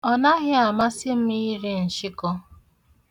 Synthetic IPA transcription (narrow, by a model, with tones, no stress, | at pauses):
ɔ˨na˦ɣɪ˦a˨ma˦sɪ˦m̩˦mi˦i˦ɾe˦n̩˨ʃɪ˦kɔ˦